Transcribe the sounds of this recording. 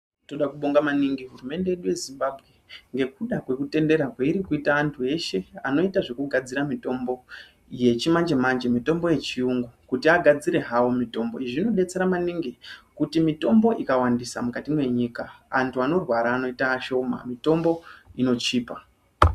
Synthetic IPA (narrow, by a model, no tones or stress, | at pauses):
to̞ɗakuɓo̞ŋɡamaniŋɡiɦurume̞nde̞je̞ɗuje̞zimbabʱɣe̞ŋɡe̞kuɗakwekute̞nde̞ɾakweiɾikuitaːntʰue̞ʃe̞ano̞itaʐe̞kuɡʱad͡ziɾamito̞mbo̞ | je̞t͡ʃimand͡ʒe̞mand͡ʒe̞mito̞mbo̞je̞t͡ʃiuŋɡukutiaɡʱad͡ziɾe̞ɦawomito̞mbo̞̰iʐino̞ɗe̞t͡se̞ɾamaniŋɡikutimito̞mbo̞ʔikawandisa̰mukatimwe̞ɲikaa̰ntʰuano̞rwaɾaːno̞itaːʃo̞ma̰mito̞mbo̞ino̞t͡ʃiːpa